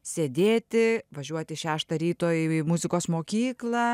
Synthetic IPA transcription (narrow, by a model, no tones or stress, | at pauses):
ssʲed̪ʲeːt̪ʲɪʋɐʒʲuɔt̪ʲɪʃʲæːʃt̪ɐɾʲiːt̪oːjmʊzʲɪkoːsmoːkʲiːklˠɐ